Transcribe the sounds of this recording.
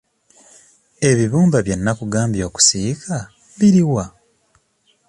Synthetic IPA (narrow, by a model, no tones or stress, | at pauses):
e̞βiβuːmbaβje̞nːakuɡaːmbjo̞ːku̥sikʰa | βiɾiwa